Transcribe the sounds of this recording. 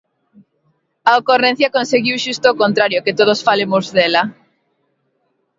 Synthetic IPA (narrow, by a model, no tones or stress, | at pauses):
aokoren̟θjakonseɣiwʃust̪oːkõnt̪ɾaɾjoket̪oð̞osfalemozðela